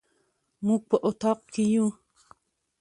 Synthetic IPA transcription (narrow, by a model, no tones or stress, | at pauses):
muk̚pəʔot̪ɑqkiju